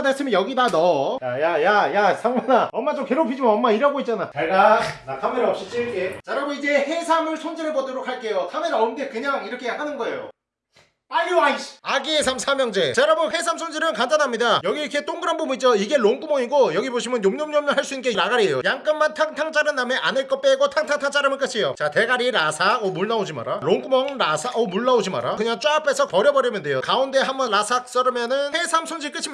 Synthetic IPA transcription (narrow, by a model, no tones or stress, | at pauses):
ades͈ʰɯmijʌɡidanʌjajajajasʰaŋmanaʌmːat͡ɕomkeɾopʰid͡ʑimanʌmːaiɾaɡoit̚t͡ɕ͈anat͡ɕeɭɡanakʰameɾaʌp̚ɕ͈it͡ɕ͈iket͡ɕaɾaboid͡ʑe̞he̞sʰamɯɭsʰond͡ʑiɾɯɭbʌdoɾok̚haɭk͈e̞jokʰameɾaʌmɡekɯɲaŋiɾʌkʰe̞jakʰanɯnɡʌe̞jo̰ | paʎːoaiɕaɡiesʰamsʰamjʌŋd͡ʑe̞t͡ɕaɾabohe̞sʰamsʰond͡ʑiɾɯnkand͡ʑanɦamɲidajʌɡiikʰet͈oŋɡɯɾanbomid͡ʑoiɡe̞ɭoŋk͈umʌŋiɡojʌɡiboɕʰimjʌnjomɲomɲʌmɲɯɭɦaɭs͈uinke̞iɾaɡaɾiejojaŋk͈ɯnmːantʰaŋtʰaŋt͡ɕ͈ʰaɾɯnːame̞ʔa̰nɯɭk͈ʌp͈eɡotʰaŋtʰaŋtʰaŋt͡ɕ͈ʰaɾɯmɯnk͈ɯt͡ɕʰijot͡ɕate̞ɡaɾiɾasʰaʌmuɭːaod͡ʑima̰ɾaɭoŋk͈umʌŋɾasʰaʔʌmuɭːaod͡ʑima̰ɾakɯɲaŋt͡ɕ͈oapʰe̞sʰʌpʌɾjʌbʌɾjʌmjʌnde̞jokaunde̞ɦambʌnɾasʰak̚s͈ʌɾɯmjʌnɯnhe̞sʰamsʰond͡ʑʰiɭk͈ɯt͡ɕʰimi